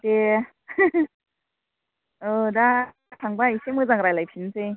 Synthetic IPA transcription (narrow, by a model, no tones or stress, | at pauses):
t̪e | ɯda | tʰaŋbaisemɯzaŋɾajlajpʰint͡sej